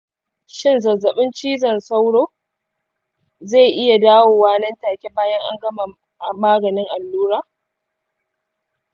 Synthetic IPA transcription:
ʃɪ˦nzɐ˨zɐ˨ɓɪ˦nt͡ʃiː˦zɐ˨nsa˦wɽoː˦ | za˦˨ʔɪ˦ja˨daː˦woː˨waː˦nɐ˦ntaː˨kʲe˦baː˦jɐ˦ŋʔa̰˦ŋɡɐ˦mɐ˨ | ʔa˨maː˦ɡɐ˨nɪ˦ŋʔa˨lːuː˦ɾaː˦

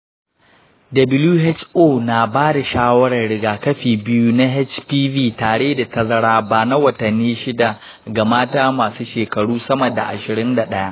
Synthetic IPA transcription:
dɐ˨bɪ˦luː˦ɦɛ˦t͡ʃʔoː˦na˨baː˦da˨ʃaː˦wɐ˦ɽɐ˨rɽɪ˦ɡaː˨kɐ˦ɸiː˨bɪ˦ju˦na˦ɦɛ˦t͡ʃpiː˦viː˦taː˨ɽeː˦da˨tɐ˦zɐ˦ɽaː˦baː˨na˦wɐ˨tɐ˨nːiː˦ʃɪ˦da˨ | ɡa˨maː˦taː˦maː˨suː˦ʃeː˨kɐ˨ɽuː˦sɐ˦mɐ˨da̰˨ʔa̰˨ʃɪ˨ɾɪ˦nda˨ɗɐ˦ja˦ʔ

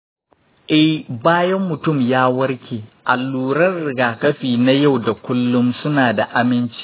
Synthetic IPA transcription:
ʔɛ˦jbaː˦jɐ˦mːʊ˨tʊ˦˨mjaː˦wɐ˦ɾkʲeː˨ʔa˨lːuː˦ɾɐ˦rːɪ˨ɡaː˨kɐ˦ɸiː˨na˦ja˦˨wda˨kʷʊ˦lːʊ˦msʊ˦naː˨da˨ʔa˦mɪ˦nt͡ʃi̥ː˦

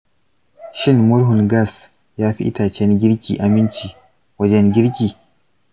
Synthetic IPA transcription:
ʃɪ˦nmʊ˦ɾɦʊ˨nɡa˦˨s | jaː˦ɸḭ˦ʔɪ̰˦taː˨t͡ʃɛ˦nɡʲɪ˦ɾkʲiː˨ʔa˨mɪ˦nt͡ʃiː˨ | wɐ˦d͡ʒɛ˦nɡʲɪ˦ɾkʲiː˨

